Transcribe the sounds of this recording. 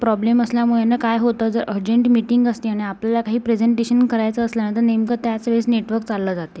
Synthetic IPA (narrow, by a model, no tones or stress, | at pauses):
pɾɔbleməsljamuɭenːakajɦot̪əd͡zəɾʔəɾd͡ʑeɳʈmiʈiŋɡəst̪iːaɽ̃iapljalakaɦiːpɾed͡zeɳʈeɕənkəɾajt͡səːsljanət̪əɾnemkət̪jat͡sʋesneʈʋəɾkt͡salːad͡zat̪e